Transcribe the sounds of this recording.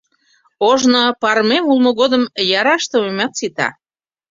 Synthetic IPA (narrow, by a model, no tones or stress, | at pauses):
oʒnopɑrmemulˠmoɣod̪əmjɑɾɑʃt̪əomʲɑt̪sit̪ɑ̰